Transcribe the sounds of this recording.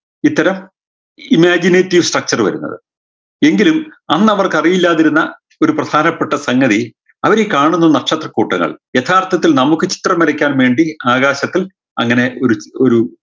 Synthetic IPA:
it̪ːɐɾɐm | imaːd͡ʑineːtːiʋsʈrɐk̚t͡ɕɐrʋɐ̰ɾṵnːɐ̰ðɨ̰ | e̞ŋɡilumɐnːɐʋɐrkɐrijilːaːðiɾunːɐ | o̞ɾuprɐd̪ʰʱaːnɐpːeʈːɐsɐŋːɡɐði | ɐʋɐɾekaːɳunːɐɨnɐkʂɐt̪rɐkːuːʈːɐŋːɐ̰ɭje̞t̪ʰaːrt̪ʰɐt̪ːilnɐmukːɨt͡ɕi̥t̪rɐmːɐɾɐkʲːaːnʋe̞ːɳɖiaːɣaːɕɐt̪ːil | ɐ̰ŋːɐne̞oɾuoɾu

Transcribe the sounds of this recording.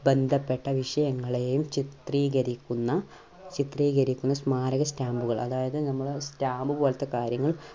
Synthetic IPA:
be̞nd̪ʱɐpːe̞ʈːɐʋiʂɐjɐŋːɐɭejumt͡ɕit̪riːɣɐɾikʲːunːɐ | t͡ɕit̪riːɣɐɾikʲːunːɐsmaːɾɐɣɐstaːmbuɣɐɭɐ̰ðaːjɐðɨnɐmːɐɭstaːmbɨbo̞ːlɐt̪ːekaːɾjɐŋːɐɭ

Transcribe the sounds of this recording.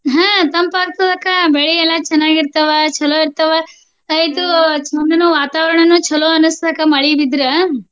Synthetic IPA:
ɦãːt̪ɐmpaːɡt̪ɐd̪ɐkːɐbeɭiɛlːɐt͡ʃɐnːaːɡiɾt̪ɐʋɐt͡ʃɐloiɾt̪ɐʋɐː | jt̪ut͡ʃɔnːɐnuʋaːt̪aːʋɐɾɐɳɐnːut͡ʃɐloɐnusd̪ɐkːɐmɐɭibid̪ɾɐ

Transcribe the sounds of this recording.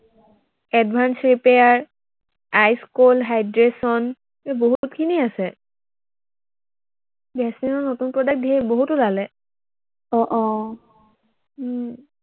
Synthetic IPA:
ɛdbʱansɹipejaɹ | ajskolɦajdɹesɔn | ɛboɦutkʰiniasɛ | bɛsinɔnotunpɹɔdak̚tdieboɦutʊlalɛ | ɔʔɔ

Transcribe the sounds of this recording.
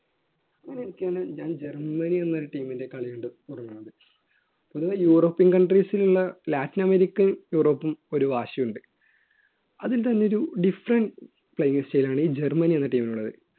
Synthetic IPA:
ɐŋːɐneenikʲːjaːnɨɲaːnd͡ʑe̞rmɐnienːoɾuʈiːminde̞kɐɭijuɳɖɨp̪urɐnːuɳɐɖɨ | poðuɣɐjuːro̞ːpːinkɐɳɖrisiluɭːɐlaːtːinɐmeɾikʲːɐnjuːro̞ːpːumo̞ɾuʋaːʂɐjuɳɖɨ | ɐðilt̪ɐnːe̞oɾuɖifrɐɳɖ | pɭejiŋest͡ɕe̞jilaːɳɨiːd͡ʑe̞rmɐnienːɐʈiːminuɭːɐðɨ̰

